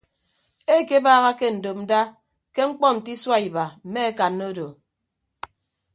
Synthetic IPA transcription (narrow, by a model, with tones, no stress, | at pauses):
e˦˨ke˦baː˦ɣa˦ke˦n̩˨do˨p̚n̩˦da˦ | ke˦ŋ͡m̩˦k͡pɔ˦n̩˨ti˦swa˦i˨ba˨m̩˨me˦e˦ka˨nːo˦do˨